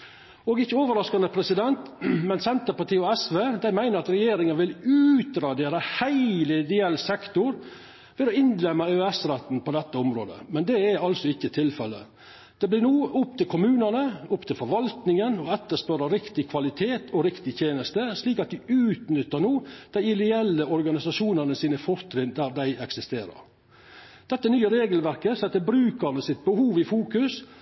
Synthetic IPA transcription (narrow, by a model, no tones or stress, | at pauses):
ɔːɡɪçːəoːʋəɾɑskɑnəpʰɾɛsɪd̪ɛnt̪mɛnsɛnt̪əpɑʈtʰiːɔɛsʋeːd̪æɪmæɪnəɾɑt̪ɾɛjeːɾɪŋənʋɪlʉːt̪ɾɑd̪eːɾɑhæɪlɪd̪ɪɛlːsɛkt̪ʊɾ | ʋɪɔɪnlɛmːɑøɛsɾɛt̪ːn̩pɔd̪ɛt̪ːəʊmɾo̰ːd̪ə̰mɛnd̪ɛæɑlsɔɪkːət̪ʰɪlfɛlə̰ | d̪̥ɛblɪːnuːʔʊp̚ːt̪ʰɪlkʰʊmʉːnənəʊpt̪ʰɪlfɔɾʋɑlt̪nɪŋənɔɛt̪ːəʂpœɾəɾɪkt̪ɪkʰʋɑlɪt̪ʰeːt̪ʰɔɾɪkt̪ɪt̪ʰjeːnəst̪əsliːkɑt̪̚d̪ɪʉːt̪nʏt̪ːənuːd̪̥æɪɪd̪ɛɛlːəʔɔɾɡɑnɪsɑʂuːnənəsiːnəfɔɾt̪ɾɪnd̪æɾd̪æɪʔɛksɪst̪eːɾə̰ɾ | d̪̥ɛt̪ːənyːəɾeːɡəlʋæɾkəsɛt̪ːəbɾʉːkəɾnəsɪt̪̚bəhuːʋɪfuːkʉs